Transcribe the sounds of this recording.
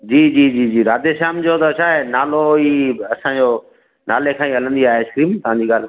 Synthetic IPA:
d͡ʑiːd͡ʑiːd͡ʑiːd͡ʑiːɾaːd̪eʃaːmd͡ʑot̪ɐt͡ʃʰaːɦenaːloiɐsãːd͡ʑoː | naːlekʰãːĩːɦɐlə̃nd̪iaːɦeɪskɾiːmt̪ɐʋ̤ãɲd͡ʑiːɡaːl

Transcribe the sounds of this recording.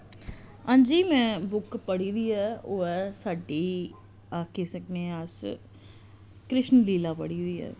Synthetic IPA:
ãːnd͡ʒiːmɛ̃ːbʊkpəɽiːd̪iːɛːoːɛːsaːɖiː | aːkeːsəkneːas | kɾɪʃnliːlaːpəɽiːd̪iːɛ̰ː

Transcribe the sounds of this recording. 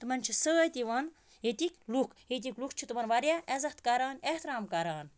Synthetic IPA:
t̪ɨmɐnʲt͡ʃʰisəːt̪iʋɐn | jet̪ikʲlukʰet̪̬ikʲlukʰt͡ʃʰit̪ɨmɐnʋɐɾʲjaezɐht̪kaɾaːneht̪ɾaːmkɐɾaːn

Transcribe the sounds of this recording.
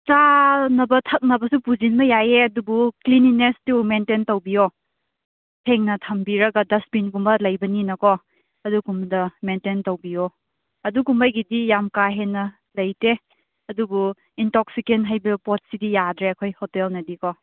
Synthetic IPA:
t͡ʃanɐbɐtʰɐk̚nɐbɐsupud͡ʒinmɐjajeɐdubuklininestumententɐwbijo | pʰeŋnɐtʰɐmbiɾɐɡɐdɐspinɡumbɐlɐjbɐninɐkɔ | ɐdukumdɐmententowbijo | ɐdukumbajɡidijamkaɦenɐ | lɐjte | ɐdubu | intɔk̚sikenɦajbɐpɔt̚sidijadɾeɐkʰojhɔtelnɐdikɔ

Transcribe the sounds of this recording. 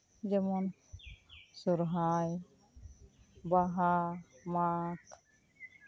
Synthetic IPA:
d͡ʒɛmɔn | suɾɦaj | baɦamak

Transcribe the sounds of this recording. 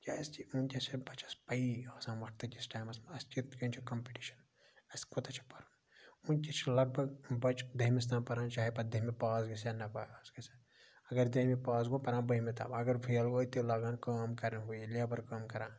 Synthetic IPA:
kʲast͡ʃiunkʲɐsʰebɐt͡ʃʰɐspɐiaːsãːmɐʈʰt̪ɐtʲisʈaːjmɐsmɐɐst͡ʃit̪kɐnt͡ʃʰikɐmpiʈiʃɐ̥n | ɐskot̪ɐt͡ʃʰi̥pɐɾɐ | unkʲit͡ʃʰlɐɡ̚bʱɐɡbɐt͡ʃd̪ɐɦmis̬t̪ãːpɐɾãːnt͡ʃaːɦepɐd̪ʱɐɦmipaːzɡɐs̬ɐnɐpaːaːzɡɐse | ɐɡɐɾd̪ɐɦmipaːzɡopɐɾãːbɐɦmet̪a̰ːbɐɡɐɾpʰijɐlɡoɐt̪elaːɡaːnkaːmkɐɾneɦuilabɐɾkaːmkɐɾãː

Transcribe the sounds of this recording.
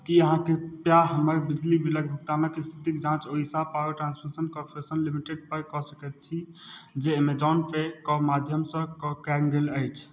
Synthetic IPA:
kiəɦãkepjaɦəməɾbid͡ʒlibiləɡ̚bʱək̚t̪anəkest̪ʰit̪ikd͡ʒãt͡ʃoɦisapaəʈɾãnspʰəɾsənkɔɾpʰɾesənlimiʈeɖ̚pəɾkɔsəkɛt̪̚t͡ʃʰid͡ʒemed͡ʒɔnpʰekɔmad̪ʱjəmsə̃kkɛŋɡeləjt͡ʃʰ

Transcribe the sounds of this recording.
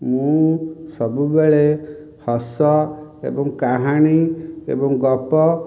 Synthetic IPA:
mũsɔbubeɭe | hɔsɔḛbɔŋkaɦaɽ̃iḛbɔŋɡɔpɔ

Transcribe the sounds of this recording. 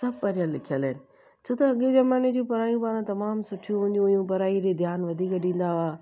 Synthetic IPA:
sɐb̚pɐɾijalːɪkʰijəlɪnɪ̆ | t͡ɕʰoːt̪ɐɦɐɠezɐmaːned͡ʑũpɐɾaːjũpaːɾãt̪ɐmaːmsʊʈʰijũɦʊ̃ɲd̪ũɐjũpɐɾaːiɾed̪ʱjaːnʋɐd̪ʱiːkɗĩːn̆d̪aaː

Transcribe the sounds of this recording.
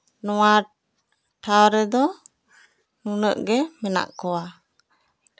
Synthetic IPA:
nɔwa | ʈʰawɾɛd̪ɔ | nunəʔɡɛmɛna̰ʔkɔwa

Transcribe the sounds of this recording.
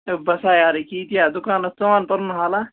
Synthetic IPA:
bɐsaːjaːɾikiːt̪ijaːd̪ukaːnɐst̪oaːnpɐɾunɦaːla

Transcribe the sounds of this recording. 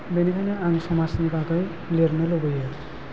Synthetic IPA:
benikʰajnʌaŋsʌmasnikakʌj | leɾnʌlobʌjʌ

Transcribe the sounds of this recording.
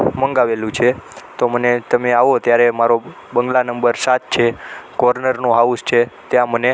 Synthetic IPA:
məŋɡaʋelũt͡ʃʰet̪omənet̪əmeaʋoət̪jaɾemaɾo | bəŋɡlanəmbəɾsat̪̚t͡ʃʰekɔɾnəɾnoɦaust͡ʃʰet̪jãməne

